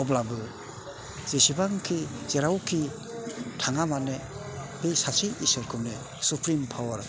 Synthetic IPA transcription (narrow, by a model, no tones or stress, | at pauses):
ɔblabɯ | zesibaŋkʰizeɾawkʰi | tʰaŋamane | besasiʔisɯɾkʰɯmne | supʰɾimpʰawaɾ